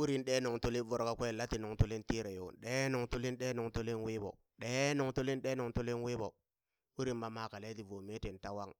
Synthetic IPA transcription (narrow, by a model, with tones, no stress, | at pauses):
u˦ɾi˨nɗe˦no˨ŋtu˦li˦vo˦ɾka˦kʷe˦˨la˦ti˨no˨ŋtu˦li˦nti˦ɾe˨jo̰˨nɗe˦no˨ŋtu˦li˦nɗe˦no˨ŋto˦li˦nwi˦bo̰˨ | ɗe˦no˨ŋtu˦li˦nɗe˦no˨ŋtu˦li˦nwi˦bo˨ | u˦ɾi˨mma˦ma˨ka˨le˦ti˨vo˨me˦ti˨nta˦wa˦ŋ